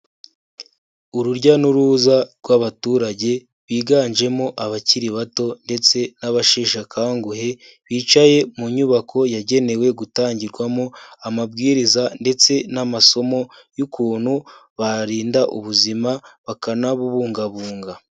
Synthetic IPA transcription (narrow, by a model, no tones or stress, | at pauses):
uɾuɾɟanuɾuːzaɾɡwaβatuːɾaɟe̞ | βiːɡanʒe̞mo̞ʔaβaciɾiβato̞nde̞t͡se̞naβaʃiːʃakʰaːŋɡuhe̞ | βiːt͡ʃaje̞muɲuβakʰo̞jaɟe̞ne̞we̞ɡutaːɲɟiɾɡwamo̞amabɡiːɾizande̞t͡se̞namaso̞mo̞jukuːn̥huβaɾiːndaʔuβuzimaβakanaβuβuːŋɡaβuːŋɡa